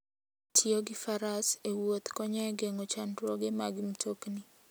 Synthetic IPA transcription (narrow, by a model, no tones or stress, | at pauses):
tʰioɡɪfaɾasewot̪kɔɲɛɡeŋot͡ʃandɾoɡemaɡɪm̩tʰokni